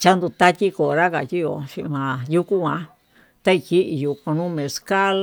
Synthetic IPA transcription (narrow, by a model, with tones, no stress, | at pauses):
t͡ʃa˦nd̪u˧t̪a˦t̪ʲi˦ko˨˧ɾa˦ka˨t̪ʲi˦jo˧ʃi˧ʔmã˨ju˦ku˦kʷã˧ | t̪a˦i˧˨ki˦ʔi˧ju˧ko˧nũ˦mẽ˨ska˦l